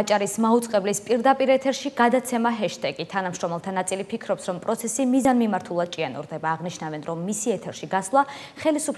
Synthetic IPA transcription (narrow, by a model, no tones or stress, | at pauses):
t͡ʃʼaɾismaut̪sʼqʼɛblispʼiɾd̪apʼiɾɛt̪ʰɛɾʃiɡ̥ad̪at̪sʰɛmaɦɛʃt̪ʰɛɡit̪ʰanamʃɾɔmɛlˠt̪ʰanat̪sʼilipʰikʰɾɔpsɾɔmpʼɾɔt̪sʰɛsimizanmimaɾt̪ʰulˠad̪̚t͡ʃʼianṵɾd̪ɛbaːʁniʃnavɛnɾɔmːisiɛt̪ʰɛɾʃiɡaslˠa | χɛlisupʰ